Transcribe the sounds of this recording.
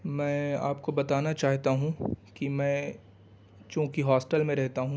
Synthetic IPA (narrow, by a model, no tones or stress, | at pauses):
mɛ̃ːaːpkobɐt̪aːnat͡ʃaːɦt̪aɦũkimɛ̃ː | t͡ʃõːkiɦɔːsʈəlmẽɾɛɦt̪aɦũ